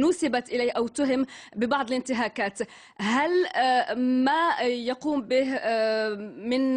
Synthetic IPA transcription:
nuːsabat̪ʔɪlaːʔawt̪ʊɦɪmbɪbɑʕd̪ˤlɪnt̪ɪɦaːkaːt̪ | ɦal | majɑquːmbɪh | mɪn

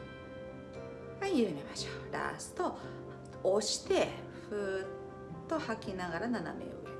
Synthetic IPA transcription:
ajɯmimaɕo̥ːɾa̰sɨ̥t̪o | oɕi̥t̪e̞ | ɸɯtt̪ː | o̞hakʲinaɡaɾanana̰mḛo̰

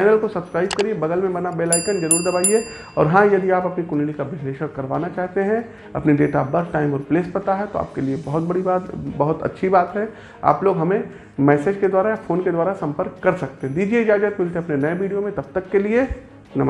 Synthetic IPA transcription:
aɪnəlkosɐbskɾaːɪbkɐɾiebɐɡəlmẽbɐnabeːlaːɪkənd͡ʒɐɾuːɾd̪ɐbaːie | ɔːɾɦãjɐd̪iaːpɐpnikʊnlikaʋɪsleːʃəkːɐɾʋa̰ːnat͡ʃaːɦt̪eɦɛ̃ | ɐ̰pniɖeːʈabɐɾʈaːɪmɔːɾpleːspɐt̪aɦɛt̪oa̰ːp̚keliebɐɦʊt̪̚bɐɽibaːt̪bɐɦʊt̪ɐ̰tːʃʰibaːt̪ɦɛ | a̰ːploːɡɦɐmẽ | mɛːseːd͡ʒked̪waːɾajafoːnked̪waːɾasɐ̃mpəɾkːɐɾsɐk̚t̪eɦɛ̃d̪iːd͡ʒied͡ʒaːd͡ʒək̪mɪlt̪eɐpnenɐeʋiːɖijomẽt̪ɐb̚t̪ɐkːelie | nɐm

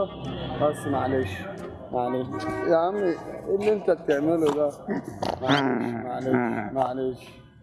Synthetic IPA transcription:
basːmaʕleːʃ | maʕaleʃjaʕniɪlːɪnt̪at̪ɪʕmɪlud̪amaʕleʃmaʕaleːʃmaʕaleːʃ

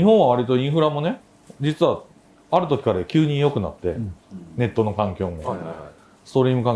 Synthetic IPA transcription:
ɲihõɰ̃aβ̞aɾʲit̪o̞ĩɰ̃ɸɯ̟ɾamo̞ne̞ | d͡ʑit͡sɨβa | aɾɯ̟t̪o̞kʲi̥kaɾekʲɨːɲ̟ĩjo̞kɯ̟na̰t̪ːe̞̰ne̞t̪ːo̞no̞kãŋkʲo̞ːmo | st̪o̞ɾʲiːmɯ̟kãŋ

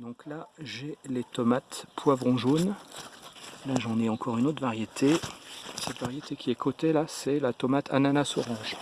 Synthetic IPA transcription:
d̪ɔ̃klaʒelet̪ɔmat̪pwavʁɔ̃ʒon | laʒɑ̃nɛɑ̃kʰɔʁynot̪χvaʁjet̪ʰe | sɛt̪vaʁjet̪ekʲiɛkʰot̪elasɛlat̪ɔmat̪ʰa̰nanasɔʁɑ̃ʒ

